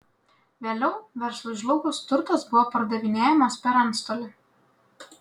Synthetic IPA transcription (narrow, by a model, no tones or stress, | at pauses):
ʋʲeːlʲɛʊʋʲɛɾslˠʊʒlˠɔɡʊst̪ʊɾt̪ɐsbʊʋopɐɾd̪ɐʋʲɪnʲeːjɛmɐspʲɛɾɐnt̪st̪oːlʲɪ